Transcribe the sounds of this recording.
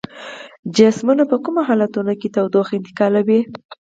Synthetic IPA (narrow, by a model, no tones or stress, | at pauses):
d͡ʒasmunapəkumaɦɑlat̪unoket̪awd̪oxɪnt̪ɪ̥kɑlawi